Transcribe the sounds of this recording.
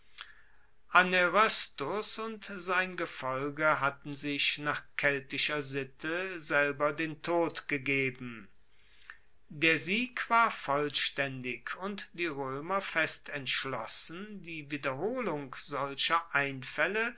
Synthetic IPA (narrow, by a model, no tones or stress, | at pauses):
ʔaneʁɔstʊsʊntz̥aɪnɡəfɔlɡəɦatn̩zɪʃnaːχkʰɛltɪʃɐzɪtʰəzɛlbɐdeːntʰoːtɡ̥əɡeːbm̩ | deːɐziːkv̥aːɐfɔlʃtɛndɪkʰʊntd̥iːʁøːmɐfɛstɛntʃlɔsən̩diːviːdɐɦoːlʊŋkz̥ɔlʃɐʔaɪnfɛlə